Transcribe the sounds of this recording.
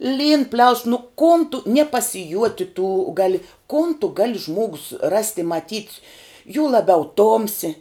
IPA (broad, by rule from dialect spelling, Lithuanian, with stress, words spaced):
lʲiːn pʲlʲɛʊs nʊ koːn tʊ nʲiɛ pɐsʲɪˈjuɔtʲɪ tuː ˈɡɑːlʲɪ koːn tʊ ˈɡɑːlʲɪ ˈʒmuɔɡʊs rɐsʲtʲ ɪ mɐˈtʲiːtʲ juː lˠɐˈbʲɛʊ ˈtoːmʲsʲɪ